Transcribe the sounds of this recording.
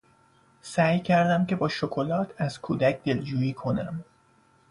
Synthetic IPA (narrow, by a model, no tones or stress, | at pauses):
sæːjcʰæɾd̪æmce̞bɒːʃokʰo̞lɒːt̪ʰæz̥kʰuːd̪æcʰd̪e̞ld͡ʒuːjiːkʰo̞næm